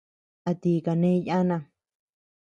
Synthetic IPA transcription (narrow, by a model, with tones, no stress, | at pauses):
a˧t̪i˧˨ka˨nẽ˦ja˦nã˧